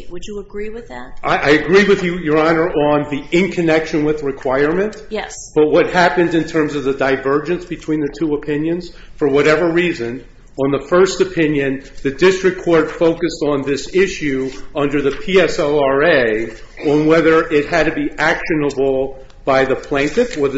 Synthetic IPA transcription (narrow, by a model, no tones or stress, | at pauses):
wəd͡ʒɨəɡɹiwɨðæt̚ʔaɪʔaɪɨɡɹiwɨðjɨjə˞ɑnə˞ʔə̃nðiɪ̃nkʰɨnɛkʃɨ̃nwɨðɹɨkʰw̥aɪə˞mɨ̃n | jɛsb̥ʌt̚wʌt̚hæpɨ̃ndɨ̃ntʰɜ̃˞mzʌvðɨdaɪvɜ˞d͡ʒɨ̃nsb̥ɨtʰw̥ĩnðɨtʰuəpʰɪ̃njɨ̃nz̥ | fə˞wʌɾɛvə˞ɹizɨ̃n | ə̃nðəfɜ˞stɨpʰɪ̃njɨ̃nðɨdɪstɹ̥ɨkʰɔɹd̥foʊkɨstn̩ðɪsɪʃʉʌ̃ndə˞ðɨpʰiɛsoʊɑɹeɪ | ə̃nwɛðə˞ʔɪt̚hɨd̚tʰɨbiʔækʃɨnəbl̩ˠ | b̥aɪðɨpʰl̥æ̃ɪ̃ntɨfə˞ð